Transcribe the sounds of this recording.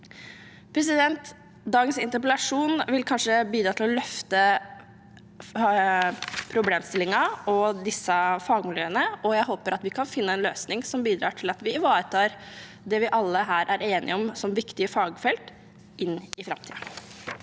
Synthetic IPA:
pʰɾɛs̬ɪd̪ɛnt̪ | d̪ɑːɡənsɪnt̪əɾpəlɑʂuːnʋɪlkʰɑnʂəbiːd̪ɾɑːt̪ʰɪlɔlœft̪ə | pʰɾʊbleːmst̪ɪlɪŋɑʔɔd̪ɪsːɑfɑːɡmɪljøːənəɔjæɪɦoːpəɾɑt̪ʋɪkʰɑnfɪnːəɛnløːsnɪŋsɔmbiːd̪ɾɑːʈʰɪlɑt̪ʋɪɪʋɑːɾət̪ʰɑːɾ | d̪ɛʋɪʔɑlːəɦæːɾʔæɾeːnʔɪ̰ɔmsɔmʋɪkt̪ɪəfɑːɡfɛlt̪ | ɪnːɪfɾɑ̰mt̪ʰḭːə

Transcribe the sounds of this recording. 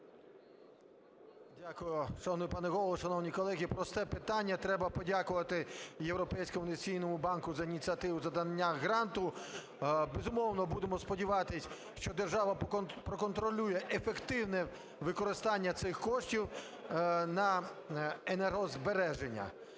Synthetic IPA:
dʲakʊjʊʃɐnʊjpɑnɛɣɔlˠlˠɔʃɐnɔwnʲikɔlˠɛɦʲipɾɔst̪ɛpɪt̪ɑnʲːɐt̪ɾɛbɐpɔdʲakʊʋɐt̪ɪjewɾɔpɛjsʲkɔmʊɪnet͡sʲijnɔmʊbɑnkʊzɐinʲit̪ʲt͡sʲiɐt̪ɪʋʊzɐd̪ɐnnʲːaɣɾɑnt̪ʊ | bezʊmɔwnɔbud̪emɔspɔdʲiʋɑt̪ɪsʲ | ʃt͡ʃɔd̪erʒɑʋɐpɾɔkɔnt̪ɾɔlʲujɛʔefekt̪ɪwnɛ | ʋɪkɔɾɪst̪ɑnʲːɐt̪sɪxkɔʃtʲiw | nɐ | enerɦɔzbeɾɛʒenʲːɐ̰

